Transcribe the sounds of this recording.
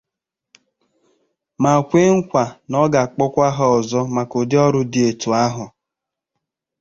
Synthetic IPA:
ma˨kʷe˦ŋ̩˦kʷa˨nɔ˦ɡa˨k͡pɔ˦kʷa˦ɦɔ˦ɔ˨zɔ˦ma˨ko˨dɪ˦ɔ˦ɾʊ˦dɪ˨˦e˨tu˨a˦ɦʊ˨

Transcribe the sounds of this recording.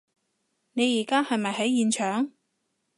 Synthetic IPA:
ne˨˧jiː˨˩kaː˥hɐ˨jmɐ˨jɦɐ˨˥jiː˨˧nt͡ʃʰœː˨˥ŋ

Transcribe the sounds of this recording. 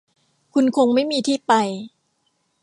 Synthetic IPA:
kʰu˧nkʰo˧ŋma˥˩jmiː˧t̪ʰiː˥˩pa˧j

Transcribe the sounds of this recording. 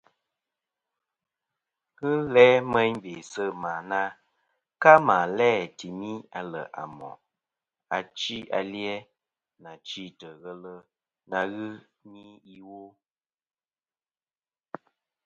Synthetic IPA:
ɣɨ˦lɛ˦mə˦ɲbe˨sə˦˨maː˨na˦ | ka˦maː˨lɛː˦˨ti˨mi˦a˨lə̰˨ʔa̰˨mɔ̰˨ | a˨t͡ʃi˦a̰˨ljɛ˦ | na˨t͡ʃi˦˨tə˨ɣə˦lə˦ | na˨ɣɨ˦ | mi˦i˦wo˦

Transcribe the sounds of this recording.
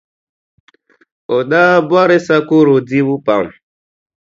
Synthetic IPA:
o˨ɗa˦bwa˦ɾe˦sa˦ku˦ɾo˨di˦bu˦pa̰˨m˨

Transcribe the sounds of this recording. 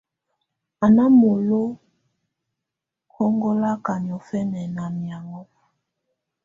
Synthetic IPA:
a˨na˦mo˨lo˦ | kʰɔ˦ŋɡɔ˦la˦ka˨ɲ˨ɔ˨fɛ˦nɛ˨na˨mja˨ŋɡɔ˦

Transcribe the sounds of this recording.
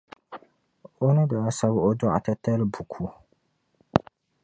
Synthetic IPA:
o˦nɨ˦da˨a˦sa˦βo˦dʊ˦ʔa̰˨ta˦ta˦lbu˨kʰu˦

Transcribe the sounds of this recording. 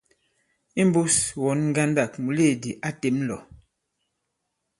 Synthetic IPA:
i˦m˦bu˦swɔ˨˦nŋ˦ɡa˦nda˦˨kmu˨le˦˨di˨ʔa˦te˨˦mlɔ˨

